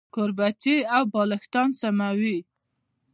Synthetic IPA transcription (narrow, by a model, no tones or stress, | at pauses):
koɾbat͡ʃeawbɑlɪxt̪ɑnsamawi